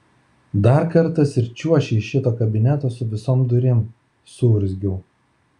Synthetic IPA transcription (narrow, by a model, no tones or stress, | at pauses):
d̪ɑˑɾkɐɾt̪ɐsʲɪɾʲt͡ʃʲuɔʃʲɛʃʲɪt̪oːkɐbʲɪnʲæt̪oːsʊʋʲɪsoːmd̪ʊɾʲɪm | sʊɾʲzʲɡʲʊː